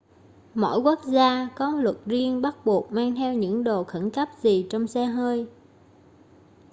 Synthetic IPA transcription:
mɔ̰˧˥jku˦˥ək̚zaː˧kɔ˨˦lwə˨˩t̚zi˧əŋɓa˦˥t̚ɓu˨˩ək̚maː˧ŋt̪ʰɛ˧wɲɨ̰˧˥ŋɗo˨˩xə˧˩nkə˦˥p̚zi˨˩t͡ɕɔ˧wŋ͡msɛ˧ɦəː˧j

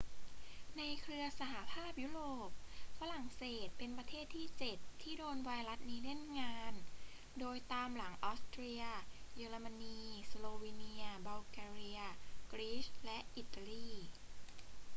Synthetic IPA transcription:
na˧jkʰɾɯ˧ɐsa˧ɦa˨˩pʰaː˥˩p̚juː˦˥ɾoː˨˩p̚fa˧ɾa˨˩ŋseː˨˩t̪̚pe˧npɾa˧t̪ʰeː˥˩t̪ʰiː˥˩t͡ɕe˨˩t̪ʰːiː˥˩doː˧nwa˧jɾa˦˥t̪̚niː˦˥le˥˩nŋaː˧n | doː˧jt̪aː˧mla˩˦ŋʔɔː˦˥st̪ɾiː˧ɐjɯː˧ɾa˧ma˧niː˧sloː˧wiː˧ni˧ɐba˧wkɛː˧ɾi˧ɐ˧kɾiː˦˥slɛ˦˥ʔi˨˩t̪ːa˧liː˥˩

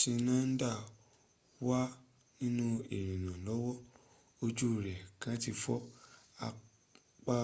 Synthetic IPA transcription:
sĩ˧nã˦n̩˦da˦˨ | wa˦ | nĩ˦nũ˦e˨ɾ̃ĩ˨nã˨lɔ˨˦wɔ˦ | o˧d͡ʒu˦˨ɾɛ˨kã˦ti˧fɔ˦a˧ | k͡pa˦

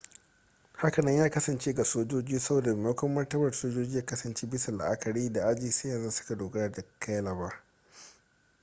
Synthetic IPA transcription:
ha˦kɐ˨nɐ˦ɲjaː˦kɐ˦sɐ˨nt͡ʃeː˦ɡa˨soː˦d͡ʒoː˦d͡ʒiː˦sɐ˦boː˨da˨me˨a˦kʷɐ˦mːɐ˦rtɐ˦bɐ˨rsoː˦d͡ʒoː˦d͡ʒiː˦jaː˦kɐ˦sɐ˨nt͡ʃeː˦bɪ˦sa˨la̰˨ʔa˦kɐ˨ɽiː˦da˨ʔa˦d͡ʒiː˨sa˦jɐ˨nza˦sʊ̥˦ka˨doː˨ɡɐ˦ɽa˨da˨kʰa˦jlɐ˨baː˦

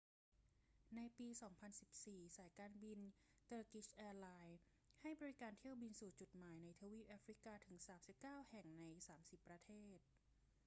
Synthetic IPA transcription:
na˧jpiː˧sɔː˩˦ŋpʰa˧nsi˨˩p̚siː˨˩saː˩˦jkaː˧nbi˧n | t̪ɤː˧ki˦˥sʔɛː˧laː˧j | ha˥˩jbɔː˧ɾi˦˥kaː˧nt̪ʰi˥˩əwbi˧nsuː˨˩t͡ɕu˨˩t̪̚maː˩˦jna˧jt̪ʰaː˧wiː˦˥˩p̚ʔaː˦˥fɾi˦˥kaː˧t̪ʰɯ˩˦ŋsaː˩˦msi˨˩p̚kaː˥˩whɛ˨˩ŋna˧jsaː˩˦msi˨˩pːɾa˧t̪ʰeː˥˩t̪̚

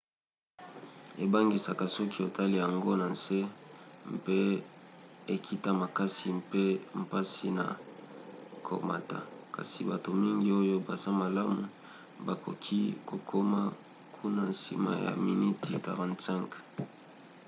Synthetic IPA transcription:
e˨ba˦ŋɡi˨sa˨ka˨sɔ˦ki˦o˨ta˦li˦ja˨ŋɡo˦na˨nse˦mpe˦ | e˨kʰi˦ta˦ma˨ka˦si˨mpe˦m̩˨pa˦si˦na̰˨ | kʰo̰˨ma̰˨ta̰˨ka̰˨si˨ba˨to˨mi˦ŋɡi˦o˦jo˦ba˨za˦ma˨la˦mu˨ | ba˨kʰo˨kʰi˦ko˨kʰo˦ma˦ | kʰu˦na˨nsḭ˨ma̰˨ja̰˨mi˨ni˦ti˨ka˨ʁã˨ntsi˦ŋk

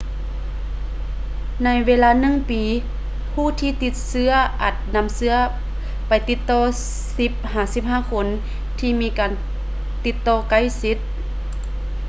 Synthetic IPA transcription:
na˧jʋeː˧˥laː˧˥nɯ˧˥˨ŋpiː˨˦ | pʰuː˧˥˨t̪ʰiː˧t̪i˧˥t̪̚sɯ˧˥ɐʔa̰˨˧˩t̪̚na˧˥msɯ˧˥ɐ | pa˨jt̪i˧˦t̪ːɔː˧ | si˧˦p̚haː˨˩si˧˥p̚haː˧˨kʰo˧˥n | t̪ʰiː˧miː˧˥kaː˨˩n | t̪i˧˥t̪ːɔː˧˩ka˧˩˨jsi˧˥t̪̚

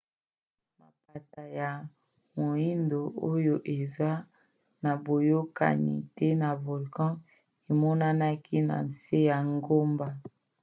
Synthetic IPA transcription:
ma˨pa˨ta˨ja˨ | mo˨i˦ndo˨o˦jo˦ʔe˨za˦ | na˨bo˨jo˦ka̰˨nḭ˨tɛ˦na˨vo˨lkɔ̃˦ | e˨mɔ˦na˦na˦ki˦na̰˨n˨se˦ja˨ŋɡo˦mba˦

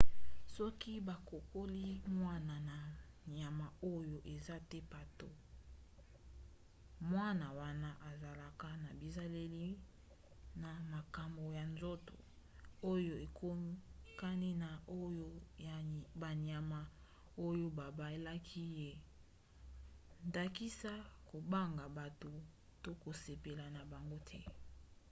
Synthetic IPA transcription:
sɔ˦ki˦ba˨ko˨ko˦li˦mwa˦na˨na˨ | nja˨ma˨o˦jo˦ʔe˨za˦tɛ˦pa˨to˦ | mwa˦na˨wa˦na˦ʔa˨za˨la˨ka˦na˨bi˨za˦le˦li˦ | na˨ma˨ka˨mbo˨ja˨nzo˦to̰˨ | o˦jo˦e˨kʰo˦mi˦ka˦ni˦na˨o˦jo˦ | ba˨ni˨a˨ma˨ | o˦jo˦ba˨ba˦e˨la˦kʰi˦je˦ | nda˨ki˦sa˦ko˨ba˦ŋɡa˨ba˨to˨ | to˦ko˨se˨pe˨la˨na˨ba˨ŋɡo˦tʰɛ˦

